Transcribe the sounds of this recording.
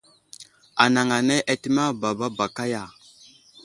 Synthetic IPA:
a˨na˨ŋa˨ne˦ʔa˦ti˦ma˦ba˨ba˦ba˨ka˦ja˨

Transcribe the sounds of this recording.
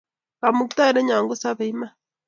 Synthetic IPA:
ka˨mu˨kt̪a˦ɾe˦ɲa˨ŋɡo˦sa˦βe˨i˦ma˦

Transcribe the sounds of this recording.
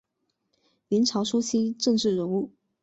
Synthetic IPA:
li˧˥nʈ͡ʂʰɑ˧˥ʊʂu˥t͡ɕʰi˥ʈ͡ʂɤ˥˧ŋʈ͡ʂɻ̩˥˩ɻə˧˥nu˥˩

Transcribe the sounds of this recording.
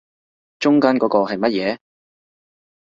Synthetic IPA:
t͡ʃʊ˥ŋkaː˥nkɔː˨˥kɔː˧ɦɐ˨jmɐ˥t̚jɛː˨˦

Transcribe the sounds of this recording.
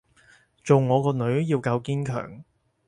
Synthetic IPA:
t͡ʃo˨wŋɔː˨˧kɔː˧nɵ˨˥ɥjiː˧wkɐ˧wkiː˥nkʰœ̰ː˨˩ŋ

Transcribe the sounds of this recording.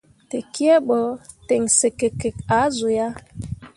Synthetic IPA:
te˨ki˦ɛ˦ɓɔ˨ | te˨ŋse˨ke˨ke˨k̚a˨˦zu˨ja˦

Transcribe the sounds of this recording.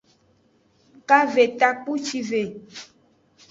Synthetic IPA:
ka˦ve˨t̪a˦k͡pu˦t͡ʃi˦ve˨

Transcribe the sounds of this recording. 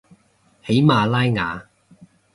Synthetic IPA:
he˨˥jmaː˧laː˥jŋa̰ː˨˧

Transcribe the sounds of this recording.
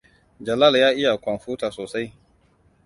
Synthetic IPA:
d͡ʒɐ˨la˦˨ljaː˦ʔɪ˦ja˨kʷɐ˨nɸuː˦taː˨soː˨sa˦j

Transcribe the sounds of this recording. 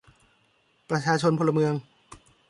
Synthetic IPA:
pɾa˧t͡ɕʰaː˧t͡ɕʰo˧npʰo˧lːa˧mɯ˧əŋ

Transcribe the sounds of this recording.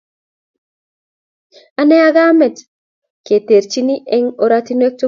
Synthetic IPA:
a˨nɛ˦a˦ɡa˦mɛ˨t | ke˨te˨ɾt͡ʃi˦ni˦ʔɛ˦ŋo˨ɾati˦nwe˦k̚to˦

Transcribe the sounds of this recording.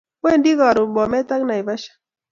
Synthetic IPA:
we˦˨ndi˦ɣa˨ɾʊ˨bɔ˨mɛ˦ta˦kna˨i˨ba˦ʃḁ˦

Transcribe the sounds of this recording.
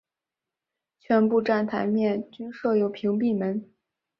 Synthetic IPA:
t͡ɕʰɥɛ˧˥npu˥˧ʈ͡ʂa˥˩nt̪ʰa˧˥ɪmjɛ˥˩nt͡ɕy˥nʂɤ˥˩jo˨˩ʊpʰi˧˥ŋp̬i˥˩mə˧˥n

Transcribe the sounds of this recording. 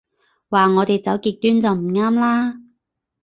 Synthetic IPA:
waː˨ŋɔː˨˧t̪e˨jt͡sɐ˨˥wkiː˧k̚t̪yː˥nt͡sɐ˨wm̩˨˩ŋaː˥mlaː˥

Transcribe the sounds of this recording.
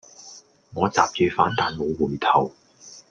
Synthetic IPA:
ŋɔː˨˧t͡saː˨p̚t͡ʃyː˨˧faː˨˥nt̪aː˨˩nmo˨˧wuː˨˩jt̪ʰɐ˨˩w

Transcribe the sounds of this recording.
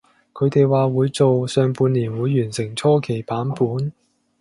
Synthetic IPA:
kʰɵ˨˧ɥt̪e˨jwaː˨wuː˨˧jt͡so˨wsœː˨ŋpuː˨˧nliː˨˩nwuː˨˧jːyː˨˩nsɪ˨˩ŋt͡sʰɔː˥kʰe˨˩jpaː˨˥npuː˨˥n

